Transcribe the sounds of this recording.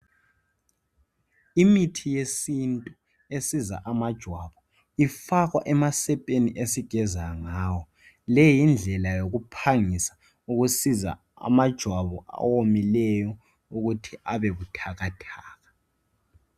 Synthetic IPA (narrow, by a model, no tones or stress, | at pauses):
imitʰijesintʼu | esiza̰ʔamad̥ʒ̥ʱwaβɔ | ifaɣwa̰ʔɛmasɛpʼeniʔesiɡ̥ʱɛzaŋaːwɔ | lɛjind͡ɮʱɛlajoɣupʰaŋisḁ | uɣusiza̰ | a̰mad̥ʒ̥ʱwaβɔʔa̰womilɛjɔ | uɣutʰiʔaβɛβutʰaɣatʰaːɣa